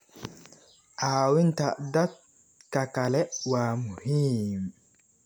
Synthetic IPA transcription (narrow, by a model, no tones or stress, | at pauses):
ʔawint̪adat̪̚ | kakalɛwamuhim